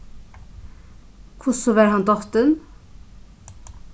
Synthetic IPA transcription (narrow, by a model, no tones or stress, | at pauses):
kʰʊsɔʋæːɾhɑnd̪ɔt̪ən